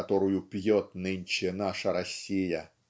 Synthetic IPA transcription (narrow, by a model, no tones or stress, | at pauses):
t̪oɾʊjʊpʲjot̪̚nɨnʲt͡ɕɪnaʂəɾɐsʲːijə